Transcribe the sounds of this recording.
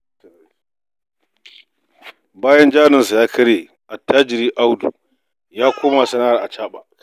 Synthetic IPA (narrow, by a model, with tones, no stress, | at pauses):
baː˦jɐ˦nd͡ʒaː˦nɪ˨nsa˨jaː˦kʰɐ˦ɽeː˨ | ʔa˨tːaː˦d͡ʒɪ˨ɾiː˦ʔa˦wdṵ˨ | jaː˦kʷoː˦ma˨sɐ˦naː˦ɾa˨ʔa˨t͡ʃaː˦ɓa˨ʔ